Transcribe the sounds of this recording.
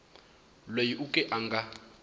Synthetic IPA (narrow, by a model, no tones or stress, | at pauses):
lwejiʔukʼɛʔaŋɡa